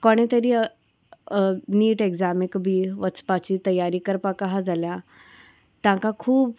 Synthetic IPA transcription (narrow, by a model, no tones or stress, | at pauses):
kɔɽ̃et̪əɾiː | niːʈekzamikbʱiːʋət͡spat͡ɕiːt̪əjaɾiːkəɾpakaɦad͡zalja | t̪jãŋkakʰuːb